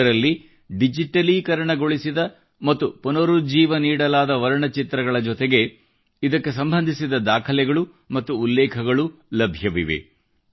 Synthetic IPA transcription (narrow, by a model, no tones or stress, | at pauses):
ɐɾɐlːi | ɖid͡ʒiʈɐlikɐɾɐɳɐɡo̞ɭisid̪ɐ | mɐt̪ːupunɐɾud͡ʒiːʋɐniːɽɐlaːd̪ɐʋɐɾɐɳɐt͡ʃit̪ɾɐɡɐɭɐd͡ʒɔt̪eɡe̞ | id̪ɐkːe̞s̬ɐmbʱɐnd̪ʱisid̪ɐd̪aːkʰɐlɛɡɐɭu | mɐt̪ːuːlːɛːkʰɐɡɐɭulɐbʱjɐʋḭʋḛ